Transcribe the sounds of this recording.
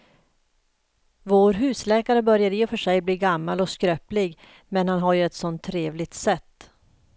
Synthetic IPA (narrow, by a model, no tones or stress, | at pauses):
voːɾɦʉ̟ːslɛːkaɾəbœɾjaɾeːɔfœʂɛjbliːɡamːalɔskɾœːplɪɡ | mɛnhanɦaɾjɵɛt̪sɔnt̪ʰːɾeːvlɪɡt̪sɛt̪ː